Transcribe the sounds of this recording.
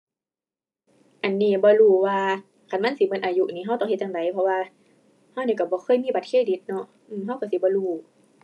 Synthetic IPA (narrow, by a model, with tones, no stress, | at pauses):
ʔa˨˩nːiː˧˩bɔː˧˦luː˧˩waː˧ | kʰa˧˨nma˧˥˨nsi˧˦mɤ˧˥˨nʔaː˨ju˧ʔniː˧˩ɦa˧˥˩wt̪ɔ˧˨ŋhe˧t̪̚jaː˧ŋda˨˦jpʰɔ˧waː˧ | ha˧˨wniː˧˩ka˧˩bɔː˧˦xʰɤː˧˨jmiː˧˨ba˧˦t̪̚kʰeː˧˥˨di˧˦t̪̚nɔ˧˨ʔ | ʔɯː˧˩mɦa˧˥˨wka˧˩˨si˧˦bɔː˧˦luː˧˩